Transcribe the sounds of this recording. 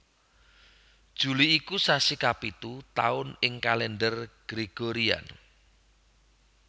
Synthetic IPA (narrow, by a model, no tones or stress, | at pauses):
d̥ʒ̥ṳliːkusasikapit̪ut̪a̰ʊnɪŋkalɛndərɡ̥ɾeɡ̥oɾia̰n